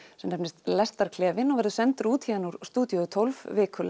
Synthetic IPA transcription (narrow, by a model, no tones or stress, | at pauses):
sɛmnɛpnɪst̪lɛst̪aɾkʰlɛːvɪnːɔɣvɛɾðʏsɛnt̪ʏɾuːt̪ʰçiːðanuɾ̥st̪uːt̪jɔt̪ʰolvvɪːkʰʏl